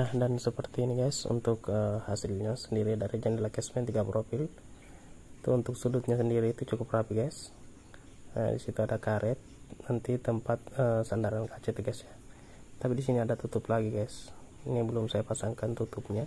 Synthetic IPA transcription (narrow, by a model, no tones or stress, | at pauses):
nahdansəpərt̪iːniɡajsṵnt̪ʊkəhasɪlɲasəndiɾidaɾid͡ʒandɛlakɛsmɛnt̪iɡapɾʔopɪl | t̪uːnt̪ʊksudʊt̪̚ɲasəndiɾiːt̪ut͡ʃukʊprapiɡas | ə̰dḭsit̪uadakaɾʔɛt̪̚nant̪it̪əmpat̪̚əsandaɾankʰat͡ʃɛt̪ɡajsɲa | t̪apidis̬iniadat̪ut̪ʊplaɡiɡajsinibəlʊmsajapasaŋkant̪ut̪ʊp̚ɲa